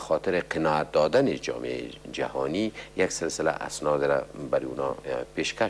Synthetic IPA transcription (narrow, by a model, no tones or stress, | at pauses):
xɔt̪ɪɾeqʰɪnɔat̪̚d̪ɒd̪aned͡ʒɒ̰ːmḛḛd͡ʒa̰hɔnijaksɪlsɪla̰ʔa̰snɔd̪ɾabaɾiunɒpeʃka